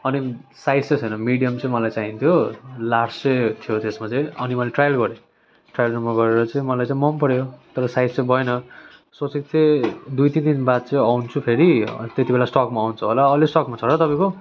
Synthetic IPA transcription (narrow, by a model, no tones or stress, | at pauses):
ʌni | sajd͡zt͡sʌt͡sʰʌjnʌmiɽijʌmt͡sʌĩmʌlajt͡saɦĩnt̪ʰjolaɽsʌt̪ʰijot̪esmat͡sãĩʌnimʌleʈrajʌlɡʌɾe | ʈrajʌlnʌmaɡʌɾeɾʌt͡sãĩmʌlajt͡sãĩmʌmpʌɽjot̪ʌɾʌsajd͡zt͡sʌ̃j̃bʱʌjnʌ | sot͡sik̚t͡sʌ̃j̃d̪ujt̪int̪inbad̪̚t͡sʌ̃ĩawnt͡sʰupʰeɾit̪et̪ibelasʈʌkmaːwnt͡sʰʌɦolaʌlesʈʌkmat͡sʰʌɾʌt̪ʌpãj̃ko